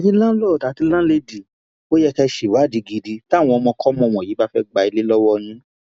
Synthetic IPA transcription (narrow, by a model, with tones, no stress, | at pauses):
tĩ˦lã˦lɔ˦˨ta˨˦ti˧˦lã˦le˧di˨ | o˦jɛ˧kɛ˧ʃi˨wa˨˦˨di˨˧ɡi˧di˧ta˦˨w̃ɔ̃˧ɔ˧mɔ̃˧kɔ˦mɔ̃˧˨w̃ɔ̃˨ji˨˦ba˦fɛ˦ɡ͡ba˧i˧le˦lɔ˦wɔ˦nĩ˦